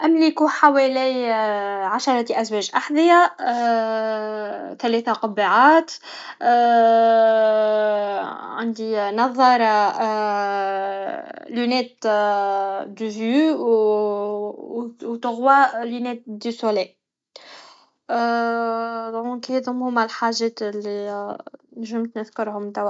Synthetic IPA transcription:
ʔæmlikuħawælij | ʕaʃɑɾˤɑt̪ʔæswɛʒʔaħd̪ˤəja | t̪ælɛθaqɑbiʕaːt̪ | ʕand̪inɑðˤɑɾˤɑ | lunɛːt̪ | d̪əvyw | wt̪ʊɣwalinɛːt̪̚d̪ysulɛj | d̪khet̪hʊmhʊmælħaʒɛːt̪li | nʒəmt̪nəðkʊɾhʊmt̪æw

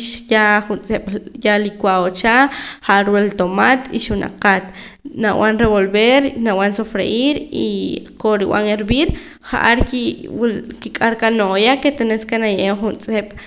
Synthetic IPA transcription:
ʃjaχunt͡sʼeɓ̥jalikwaot͡ʃaχaʔaɾwelt̪omat̪iʃna̰qat̪ | naw̰anɾeβolbeɾnawansofɾeʔiɾḭkoɾiwa̰ŋeɾbiːɾ | χa̰ʔaɾkiwkikʼaɾkanojaket̪eneskenajʔemχunt͡sʼeɓ̥

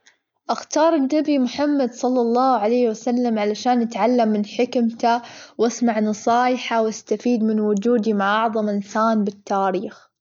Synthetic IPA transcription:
ʔaxt̪ɑːɾˤɪnːabimʊħamːad̪sˤɑlːɑlˤːɑːhʕalajːhwasalːamʕalaʃaːnʔat̪ʕalːamːɪnħɪkmt̪awʔasmaʕnɑsˤɑːjħawast̪afiːd̪mɪnwʊd͡ʒuːd̪imaʕʔɑʕðˤɑmʔɪnsaːnbɪt̪ːaːɾiːx

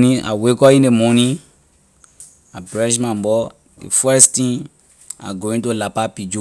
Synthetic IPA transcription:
nĩʔa̰wekɔĩndemɔ̃nĩ | abɾɛʃ̬mãmbɔ | dḛfɛstĩn | a̰ɡoĩtolapapid͡ʒo

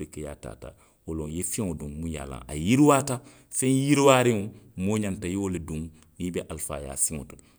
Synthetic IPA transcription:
ɾikaja̰ːta̰ːta̰ | wolõjefɛ̃ŋodõmũja̰lã̰ŋʔa̰jiɾiwaːta | fɛ̃njiɾiwaːɾĩŋomoːɲãntajewoledũŋ | nibɛʔalfa̰ːja̰ːsĩŋo̰to̥

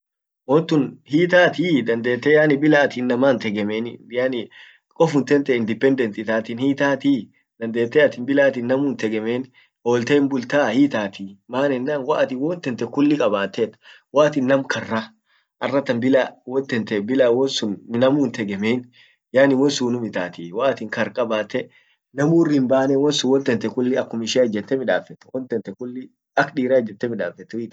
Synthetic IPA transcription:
wɔnt̪ʊnhiːt̪aːt̪id̪ɐnd̪e̞ːt̪ːɛjaːnɪbɪlaːt̪iːnːɐmaːnt̪ɛɡɛmenɪjanɪ | kʼɔfʊnt̪ɛnt̪ɛɪnd̪ɪpɛnd̪ɛnt̪ɪt̪aːt̪ɪnhiːt̪aːt̪i | d̪̥ɐnd̪e̞ːt̪ːɛɐt̪ɪnbɪlaːt̪iːnːɐmuːnt̪ɛɡɛmeːn | hoːlt̪eːmbʊlt̪aːhiːt̪aːt̪imaːnɛnːaːnwaːʔt̪iwɔnt̪ɛnt̪ɛkʊlːɪkʼɐbaːt̪ːet̪ | waːt̪ɪnːɐmkʰɐrːa | ʔɐrːɐt̪ːɐnbɪlawɔnt̪ɛnt̪ɛbɪlawɔnsʊnnɐmuːnt̪ɛɡɛmeːn | jaːnɪwɔnsuːnʊmɪt̪a̰ːt̪iwaːt̪ɪŋkɐɾkʼɐbaːt̪ːɛ | nɐmuːrɪmbaːnɛwɔnsʊwɔnt̪ɛnt̪ɛkʊlːɪɐkːʊmɪʃɛːɐd͡ʒːɛt̪ːɛmɪᶑaːfɛt̪ːɛ̥wɔnt̪ɛnt̪ːɛkʊlːɪ | ɐkᶑiːɾad͡ʒːɛt̪ːɛmɪᶑaːfɛt̪ːɛhiːt̪

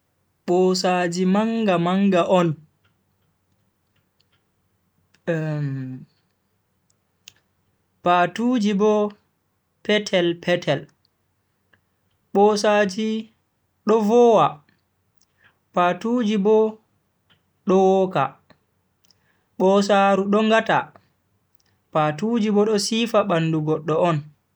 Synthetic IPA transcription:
ɓɔsaːd͡ʒimaŋɡamaŋɡaʔɔn | paːtud͡ʒibɔ | pɛtʰɛlpʰɛtʰɛl | ɓɔsad͡ʒi | ɗɔvɔwa | patud͡ʒibɔ | ɗɔwɔka̰ | ɓɔs̬aɾuɗɔŋɡata̰ | patud͡ʒibɔɗɔsiːfaɓanduɡɔɗːɔɔn

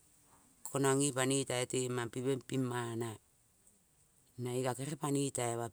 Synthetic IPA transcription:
kʰonaŋipanitaetemapiβempimana | naikakeɾepanitaeβa

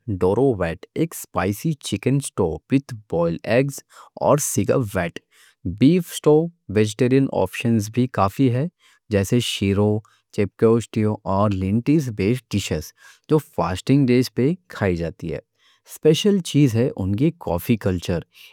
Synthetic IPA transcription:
ɖoːɾoʋɛːʈeːkspaːɪsit͡ʃɪkə̃nsʈoːpɪt̪ʰbɔːɪlɛːɡzɔ̰ːɾsɪɡa̰ʋɛːʈ | biːfsʈoːʋed͡ʒeʈeːɾijənʔɔ̰ːpʃənzbʱikaːfiɦɛː | d͡ʒɛːseʃiːɾo | t͡ʃeːp̚keʊsʈioʔɔːɾlɪ̃ɳʈizbeːsʈɪʃəs | d͡ʒoːfaːsʈɪ̃ŋɡɖeːʃpekʰaːid͡ʒaːt̪ḭɦɛ̰ː | speːʃəlt͡ʃiːzɦɛʔʊnkikɔ̰ːfikɐlt͡ʃəɾ

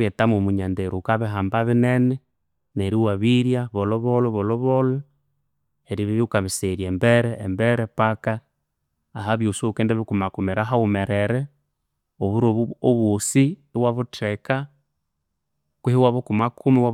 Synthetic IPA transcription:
jetamomuɲandeɾukaβiɦaːmbaβinenɛ | neɾiwaβiɾjaβɔlɔβɔlɔβɔlɔβɔlɔ | eɾiβiβjukaβiseɾjembɛɾɛ̰ːmbɛɾɛpakaː | ɦaβjusokɛndɛβikumakumɛɾaɦaumɛɾɛɾɛ | oβuɾooβusi | waβutʰɛka | kwihiwaβukumakʰumiwa

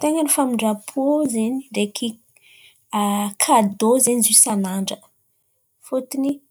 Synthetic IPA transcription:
t̪eŋənifamiɳɖ͡ʐapʰozeniɖ͡ʐekʰi | kʰad̪ozenizisanaɳɖ͡ʐə | fut̪ini

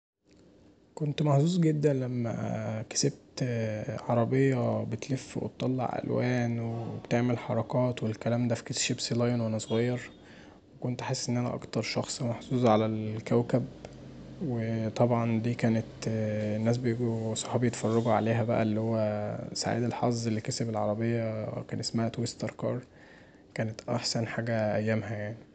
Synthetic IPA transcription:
kont̪maħzuːzɡed̪ːænlæmːæ̰kæ̥seb̚t̪ʕɑɾˤɑbejːɑbet̪lefːwḛt̪t̪ˤːɑlːɑ̰ʕʔæ̰lwæːnweebt̪eʕmelħɑɾˤɑkɑːt̪welkælæːmd̪æfi̥ket̪ʃibsilɑjnwænæsˤoɣɑjːɑɾˤ | wekont̪ʔaħesːʔenːʔænæ̰ʔɑ̰kt̪ɑɾˤʃɑxsˤmɑħzuːzˤʕalælkæwkæb | wet̪ˤɑbʕɑnd̪iːkæːnet̪ːnːæːs̬bejɡusˤɑħɑbjet̪fɑrˤːɑɡuʕaleːɦæbæ̰ʔæ̰lːihowːæsa̰ʕḭːd̪elħɑ̰zˤːelːikesæbelʕɑɾˤɑbejːækæːnʔesmæhæt̪west̪ɑɾˤkɑːɾˤ | kæːnet̪ʔæħsænħaːɡæʔæjːæmɦæjaʕni

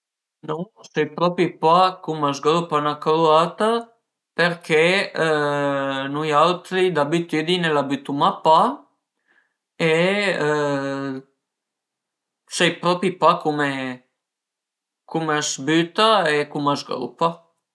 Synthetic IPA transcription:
nɔsɛjpɾɔpipakumazɡɾupanakɾuat̪a | peɾkʰe | nujalt̪ɾid̪abit̪yd̪inelabyt̪umapa | e | sɛjpɾɔpipakume | kumazbyt̪aekumazɡɾṵpa

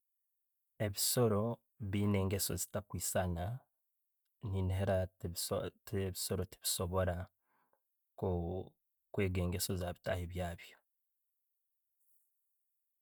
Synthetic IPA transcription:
e̞βiso̞ɾo̞ | βiːne̞ːŋɡe̞so̞̰zi̥takwiːsana | niːniɦeɾa | βiso̞ɾo̞ti̥βiso̞βo̞ɾa | ko | kwe̞ːɡe̞ːŋɡe̞so̞zaːβitaheβjaːβjo

